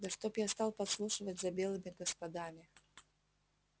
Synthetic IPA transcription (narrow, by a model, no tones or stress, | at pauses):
d̪ɐʂt̪opjast̪alˠpɐt̪slˠuʂɨvətʲzɐbʲelˠɨmʲɪɡɐspɐd̪amʲɪ